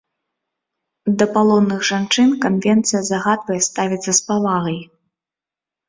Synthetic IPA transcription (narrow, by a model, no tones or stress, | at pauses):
d̪ɐpalˠɔnːɨɣʐant͡ʂɨnkanvʲɛnt̪sɨjɐzaɣad̪vɐjɛst̪avʲit̪sːɐspavaɣɐj